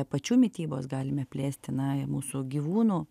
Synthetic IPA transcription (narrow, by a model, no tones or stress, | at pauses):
pɐt͡ʃʲuːmʲɪt̪ʲiːboːsɡɑːlʲɪmʲɛpʲlʲæːsʲt̪ʲɪnɐɪmuːsʊɡʲiːʋuːnuː